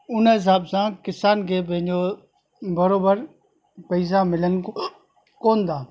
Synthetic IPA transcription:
ʊnəɦɪs̬aːbsãːkɪsaːnkʰeːbɪɦɪ̃ɲd͡ʑo | bɐɾoːbəɾ | pɐɪs̬amɪlən | koːnd̪aː

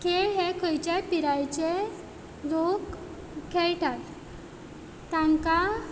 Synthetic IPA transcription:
keɦekʰəjt͡ɕepiɾajt͡ɕe | ɾok | kʰːejʈʰal | t̪ãŋka

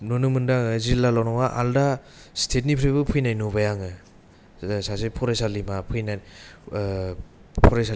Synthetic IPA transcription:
nɔnɯmɯndaŋɯziɾlalawnɔŋaʔa̰lda | stʰet̚nipʰɾiβbɯpʰɯjnajnubajaŋɯ | sasepʰɔɾasalimapʰɯjna | pʰɔɾasa

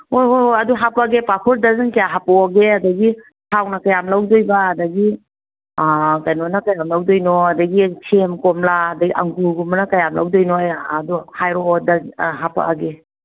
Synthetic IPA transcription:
ojojoaduɦapaɡepakʰuɾdazɯŋkajaɦapawaɡeadɐɡi | tʰawnakajamlawdojbaːdɐɡi | kajnɔnakajamlawdojnɔadɐɡikʰemkɔmlaɐdɐɡiʔaŋɡuɡumanakajamla̰wdojnojːduhajɾoːdaɦapa̰ʔaɡe

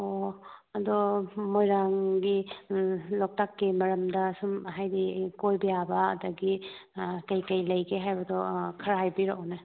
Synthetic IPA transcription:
oɐdɔmojɾaŋɡi | lɔk̚takːimɐɾɐmdɐsumɦajdikojbijabɐ̰ːdɐɡi | kɐjkɐjlɐjɡeɦajbɐdɔkʰɐɾajbiɾɔʔna

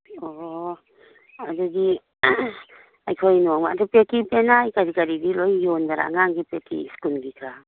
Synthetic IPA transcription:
ɔ | adudi | ajkʰojnɔŋmaa̰dupetʰipenajkaɾikaɾidilojjondaɾa̰ŋaŋɡipetʰḭskulɡikʰɾa

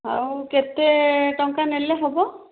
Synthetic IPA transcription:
aɹkɛt̪ɛʈɔŋkanɛlɛɦɔbɔ

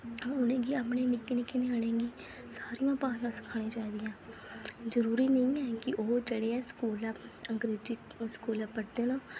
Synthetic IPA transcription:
ɔːɾʊnẽːɡiːapneːnɪkːnɪkeneaɽẽːɡiː | saːɾijãːpãːʃãːsɪ̥kʰaːɽ̃ẽːt͡ʃaːid̪ɪjãː | zəɾuːɾiːnəĩɛːkɪʔoːd͡ʒəɽeːɛːskuːlaəŋɡɾeːd͡ʒiː | skuːlaːpəʈd̪eːnãː

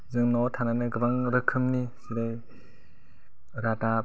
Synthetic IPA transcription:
zɯŋnɔtʰananɯɡɯbaŋɾɯkʰɯmnisiɾaj | ɾata

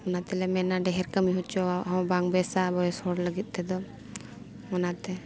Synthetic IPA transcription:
ɔnat̪ɛlɛmɛnaɖɛɦɛɾkəmiɦut͡ʃɔaɦɔ̃baŋbɛsabɔɛshɔɽləɡit̪̚ˀt̪ɛd̪ɔ | mɔnat̪ɛ

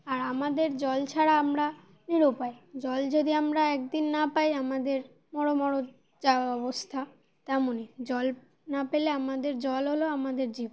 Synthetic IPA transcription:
aɾamad̪eɾd͡ʑɔlt͡ɕʰaɽaamɾa | niɾupajd͡ʑɔld͡ʑod̪iamɾaɛkd̪inːapajamad̪eɾ | mɔɽomɔɽo | d͡ʑaɔbost̪ʰa | t̪ɛmoned͡ʑɔl | napeleamad̪eɾd͡ʑɔlɦoloamad̪eɾd͡ʑibo

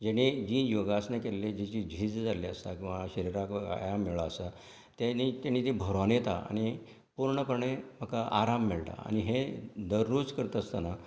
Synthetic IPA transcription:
d͡ʑeɽ̃id͡ʑiːjoɡasnekelːed͡ʑit͡ɕid͡ʑʱiːd͡zd͡zaliəst̪akĩw̃ʋaɕəɾiɾaka̰jamːiɭaəsa | t̪enit̪janːit̪ibʱəɾonet̪aa̰ɽ̃i | puɾɳəpəɾɳem̤ʱəkaʔaɾamːeɭt̪a̰a̰ɽ̃iɦed̪əɾːud͡zkəɾt̪əst̪ana

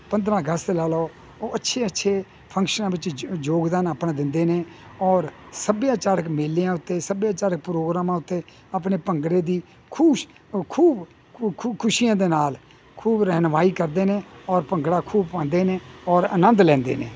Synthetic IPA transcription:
pə̃nd̪ɾãːɡəslaːloː | oːətːʃʰeːətːʃʰeː | pʰə̃ŋkʃənãːʋɪt͡ʃd͡ʒoːɡd̪aːnaːpnãːd̪ɪnd̪eːneːɔːɾsəbjãːt͡ʃaːɾəkmeːlːijãːʊt̪ːeːsəbjãːt͡ʃaːɾək̚pɾoːɡɾaːmãːʊt̪ːeː | ap̬neːpəŋɡɽeːd̪iː | kʰuː | kʰuːb | kʰʊʃijãːd̪eːnaːl | kʰuːbɾəɦnʋaːiːkəɾd̪eːnẽːɔːɾpəŋɡɽaːkʰuːbpãːnd̪eːnẽːɔːɾə̰nə̃nd̪lɛ̃ːnd̪ḛːnḛː

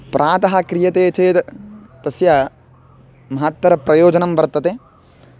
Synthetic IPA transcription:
pɾʔaːt̪ɐɦɐkɾijɐt̪eːt͡ʃeːt̪t̪ɐsjɐ | mɐɦat̪ʋɐɾɐpɾɐjoːd͡ʒɐnɐmbɐɾt̪ːɐt̪e

